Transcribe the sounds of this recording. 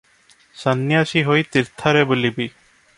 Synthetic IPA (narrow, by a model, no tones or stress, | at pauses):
sanːiaʃiɦojt̪iɾt̪ʰaɾebulibi